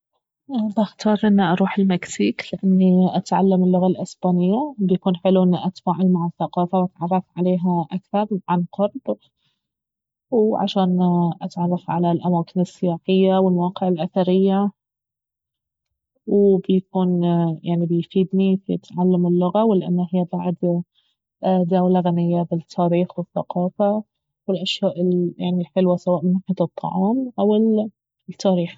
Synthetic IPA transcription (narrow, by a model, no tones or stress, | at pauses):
baxt̪ɑːɾˤʔɪnːiʔɑɾˤuːħɪlmɪksiːklɪʔanːiʔat̪ʕalːamɪlːʊɣalʔɪsbaːnɪjːabjakuːnħɪluʔɪnːiʔat̪faːʕalmaʕaθːaqɑːfawʔat̪ʕɑrˤːɑfʕaleːɦaʔakθɑɾˤʕanqʊɾˤb | wʕa̰ʃaːnʔat̪ʕɑrˤːɑfʕalalʔamaːkɪnɪsːɪjaːħɪjːawɪlmwɑːqɪʕɪlʔaθaɾɪjːa | wbjakuːnjʔaʕnibɪjfiːd̪nifijɪ̰t̪ʕalːamɪlːʊɣawlɪʔa̰nːahɪjːabaʕd̪ | d̪aːwlaɣanɪjːabɪt̪ʰːaːɾiːxwɪθːɑ̰qɑːfa | wɪlʔaʃjaːʔɪlja̰ʕnilħɪlwasawaːʔmɪnːaħat̪ɨt̪ˤːɑ̰ʕɑːmʔawɪl | t̪ʰːaːɾiːx